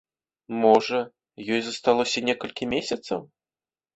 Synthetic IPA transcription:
mɔʐɐ | jɔjzɐst̪alˠɔsʲɐnʲɛkɐlʲkʲimʲesʲɐt̪sɐ̰w

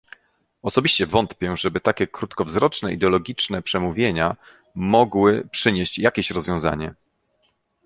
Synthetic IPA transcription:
ɔsɔbʲiɕt͡ɕɛvɔnt̪pʲjɛʐɛbɘt̪akʲɛkɾut̪kɔvzɾɔt͡ʂnɛḭd̪ɛɔlɔɡʲit͡ʂnɛpʂɛmuvʲjeɲa | mɔɡwɘpʂɘɲeɕt͡ɕjakʲeɕɾɔzvʲjɔ̃w̃za̰ɲɛ

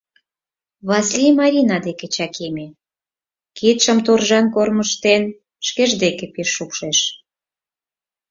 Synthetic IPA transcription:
βɑslʲimɑɾʲinɑd̪eket͡ɕɑkʰeme | kit̪ʃə̆mt̪orʒɑnkorməʃt̪en | ʃkeʒd̪ekepeʃːukʃeʃ

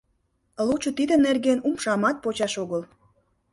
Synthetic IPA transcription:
lut͡ɕot̪id̪ənerɡenumʃɑmɑt̪̚pot͡ɕɑʃoɣəl

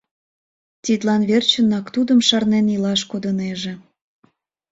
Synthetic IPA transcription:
t̪ʲit̪lɑnβert͡ɕənɑkt̪ud̪əmʃɑrnenilɑʃkod̪əneʒĕ

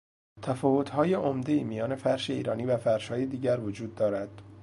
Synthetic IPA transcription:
t̪ʰæfɒːvo̞t̪ʰhɒːjeʔomd̪e̞iːmijɒːne̞fæɾʃeiːɾɒːniːvæfæɾʃhɒːjed̪iːɟæɾvod͡ʒuːd̪ːɒːɾæd̪̥

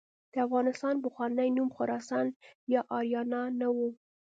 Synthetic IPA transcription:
d̪̥əafɣɑnɪst̪ɑnbʊxwɑnajnumxʊɾɑsɑnjɑʔɑɾjɑnɑnawu

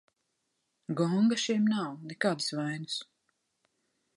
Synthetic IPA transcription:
ɡɔŋɡaʃimnawnekaːd̪svajnɨ̥s

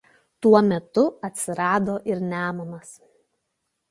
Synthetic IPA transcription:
t̪uɔmʲɛt̪ʊɐt̪ʲsʲɪɾɑːd̪oːʔɪɾnʲæːmɐmɐs

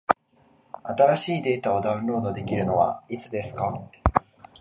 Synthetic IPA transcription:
at̪aɾaɕiːd̪e̞ːt̪ao̞d̪ãɯ̟̃nɾo̞ːd̪o̞d̪e̞kʲiɾɯ̟no̞βa̰it͡sɨd̪e̞sɨ̥ka

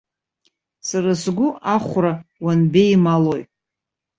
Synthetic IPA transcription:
saɾasɡʷʊaχʷrawanbejmaloj

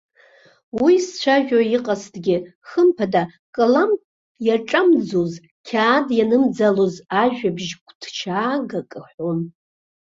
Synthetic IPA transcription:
wist͡ɕʷʰaʒᶣaiqʼastʰɡʲɪχəmpʰada | kʼɨlam | jaʈ͡ʂʼamd͡zoz | kʲʰaːdjanɨmd͡zalozaʒᶣabʒkʷʰʼdʰt͡ʃʰaːɡakʼɨħʷon

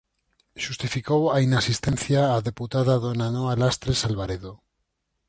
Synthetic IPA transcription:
ʃust̪ifikowainasist̪en̟θjaːðe̞put̪aðaðonanoalast̪ɾesalβaɾeðo

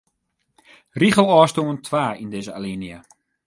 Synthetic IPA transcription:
riχəlˠɑːstoəntʰʋaːindeːzəa̰liniə

